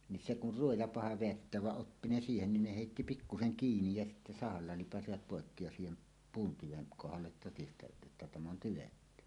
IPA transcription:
ni se kur ruojɑ pɑhɑ ʋeætːeæʋ ʋɑʔ ʔopːi ne siːhenːin ne heˑitːi pikːuseŋ kiːnij jɑ sitːe sɑhɑlːɑ lipɑsiʋɑt poˑekːi jɑ siːhem puːn tyʋeŋ kohɑlːet totistɑjɑt ʔetːæ tæm on tyʋetːy

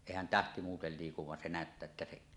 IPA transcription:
eˑihæn tæhti muːtel liːkuʋ ʋɑn se næˑøtːæː etːæ seʔ

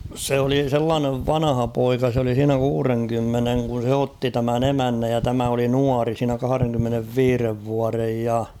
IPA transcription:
se oli selːɑːneʋ ʋɑnɑhɑpoikɑ s oli siːnæ kuːreŋkymːeneŋ kun̞ se otːi tæmæn emænːæj jɑ tæmæ oli nuɑri siːnæ kɑhɑ̆reŋkymːeneʋːiːreʋ ʋuɑrej jɑ

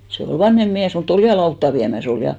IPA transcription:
se ol ʋɑnhem miæs mut ol jɑ lɑutːɑ ʋiæmæs ol jɑ

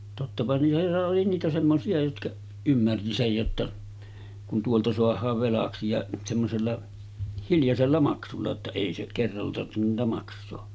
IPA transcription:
totːɑpɑ niːtæ oli niːtæ semːosiɑ jotkɑʔ ymːærti sej jotːɑ kun tuoltɑ soɑhˑɑːʋ ʋelɑksi jɑ semːoselːɑ hiljɑselːɑ mɑksulːɑ tːɑ eˑi se kerːɑlːɑ tɑrtːenun niːtæ mɑksˑoː

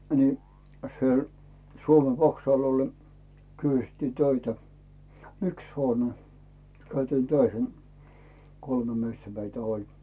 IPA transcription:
ni sĭel suome ʋɑksɑˑl ol ne kysy̆tːi tøitæ yks hoːne kæytiːn tøihen kolme miestæ meitæ olʲ

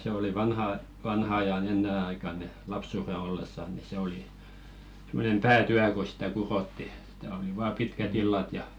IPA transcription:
se oli ʋɑnhɑ ʋɑnhɑ ɑjɑn enːen ɑikɑn ni lɑpsuˑre olːesːɑ ni se oli semˑonem pæːtyæ ko sĭ̥tæ kurotːi s̆ĭ̥tæ oli ʋɑː pitkæt ilːɑt jɑ

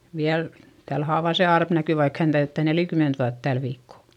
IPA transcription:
ʋiæl tæl hɑːʋɑˑ se ɑrp næky ʋɑik hæn tæytːæˑ nelikyment ʋuɑt tæl ʋiːkːo

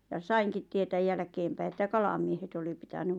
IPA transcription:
jɑ sɑiŋkit tietæj jælæ̆keːmpæi etːæ kɑlɑmiehet oli pitæny

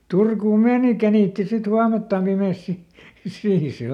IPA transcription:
turkuːm meːni kæniˑtːi sit huɑmeltːɑm pimeˑs si siːn̞ se

